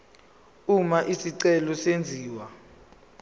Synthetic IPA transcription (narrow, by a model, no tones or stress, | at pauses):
umaʔisiǀɛlɔsend͡zʱiːwa